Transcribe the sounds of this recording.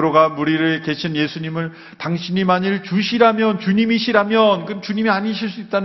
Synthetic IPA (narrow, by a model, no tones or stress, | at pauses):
ɯɾoɡamuɾiɾɯɭke̞ɕʰinje̞sʰuɲimɯɭ | taŋɕʰiɲimaɲiɭt͡ɕuɕʰiɾamjʌnt͡ɕuɲimiɕʰiɾamjʌnkɯnt͡ɕuɲimiaɲiɕʰiɭs͈uit̚t͈an